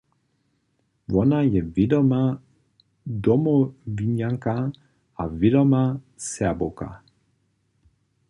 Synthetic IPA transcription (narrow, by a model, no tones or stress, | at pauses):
vɔnajɛvedɔma | dɔmɔviɲaŋka | avedɔma | sɛaboka̰